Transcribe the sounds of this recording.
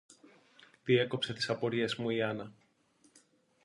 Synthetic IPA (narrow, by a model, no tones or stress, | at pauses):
ðie̞ko̞pse̞t̪i̥sɐpo̞ɾie̞zmuiɐnɐ